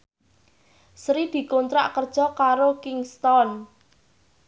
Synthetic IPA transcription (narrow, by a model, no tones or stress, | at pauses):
sɾid̪̥i̤kont̪ɾa̰ʔkərd̥ʒ̥ɔ̤kaɾokɪŋst̪ɔn